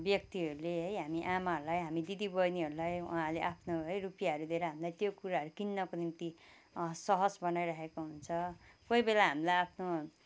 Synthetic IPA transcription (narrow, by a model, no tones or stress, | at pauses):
bjʌk̚t̪iɦʌɾuleɦʌjɦamiʔamaɦʌɾulajɦamid̪id̪ibʌjniɦʌɾulaj̰ɦãleʔapʰnoɦʌjrupijaʌɾud̪ʱeɾʌɦamilajt̪jokuɾaɦʌɾukinːʌkonimt̪i | sʌɦʌd͡zbʌnajɾʌɦekoɦunt͡sʰʌkojbelaɦamilajapʰno